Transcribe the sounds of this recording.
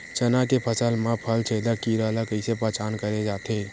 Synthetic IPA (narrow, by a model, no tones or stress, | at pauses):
t͡ʃɐnakepʰəsəlmãpʰəlt͡ʃʰeːd̪akiɾəɦlakəɪsepəːt͡ʃaːnkəɾed͡ʒaːt̪ẽː